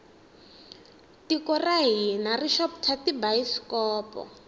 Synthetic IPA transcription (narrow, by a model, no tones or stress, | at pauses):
tikɔraɦinariʃɔptʰatibaiskɔːpɔ̰